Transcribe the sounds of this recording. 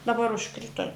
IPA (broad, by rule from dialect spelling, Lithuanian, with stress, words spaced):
dɐˈbɐr ʊʃˈkrʲɪtoː